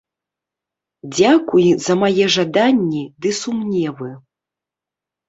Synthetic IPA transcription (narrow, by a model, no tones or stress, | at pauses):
d͡zʲakujzɐmajɛʐad̪anʲːid̪ɨsumnʲɛvɨ